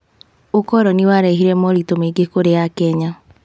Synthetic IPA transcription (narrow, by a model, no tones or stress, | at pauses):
okɔɾɔniwaɾɛɦiɾɛmɔɾitomeɡekoɾejakɛɲa